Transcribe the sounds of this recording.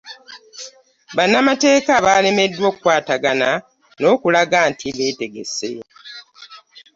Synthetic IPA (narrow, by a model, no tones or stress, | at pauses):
βanːamate̞ːkaβaːle̞me̞dːwo̞ːkukwaːtaɡana | no̞ːkulaɡantʰiβe̞ːte̞ɡe̞̰se̞